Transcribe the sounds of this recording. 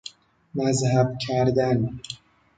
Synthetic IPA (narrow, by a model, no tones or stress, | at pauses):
mæzhæbcʰæɾd̪æn